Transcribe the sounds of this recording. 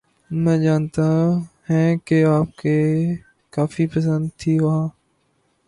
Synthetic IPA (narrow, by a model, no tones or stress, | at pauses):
mɛ̃ːd͡ʒaːnt̪aɦɛ̃ːkeaːp̚keː | kaːfiːpəs̬ə̃nd̪̚t̪ʰiːʋɐãː